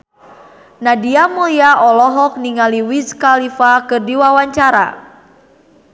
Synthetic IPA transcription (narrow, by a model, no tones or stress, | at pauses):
nadiamuliaʔɔlɔɦɔk̚niŋaliwiskalifakɨrdiwawaɲt͡ʃaɾa̰